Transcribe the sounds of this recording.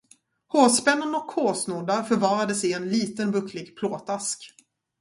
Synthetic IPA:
hoːspɛnːənɔkʰːoːsnuɖ̪aɾfœɾvɑːɾad̪əsɛɪjɛnliːt̪ənbɵklɪɡpʰloːt̪ʰask

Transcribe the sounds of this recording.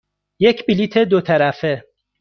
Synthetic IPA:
je̞cʰbilit̪ʰe̞d̪ot̪ʰæɾæfe

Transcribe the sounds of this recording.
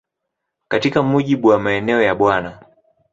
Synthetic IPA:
katikamuʄiɓuwamaɛnɛɔjaɓwana

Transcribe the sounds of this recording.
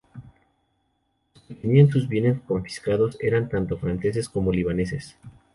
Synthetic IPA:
sket̪eniansuzbje̞ne̞sko̞ɱfi̥skaðo̞se̞ɾant̪ant̪o̞fɾanse̞s̬e̞sko̞mo̞liβ̞ane̞s̬e̞s

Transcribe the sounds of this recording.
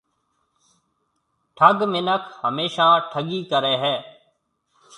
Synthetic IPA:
ʈʰəɡmɪnəkhəmeːʃãːʈʰəɠiːkəɾeːɦɛː

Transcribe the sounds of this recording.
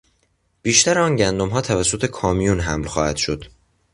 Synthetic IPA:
b̥iːʃt̪æɾeɒːnɟænd̪omɦɒːt̪ʰævæsːot̪ʰe̞kʰɒːmijunɦæmlxɒːhæd̪̥ʃo̞d̪̥

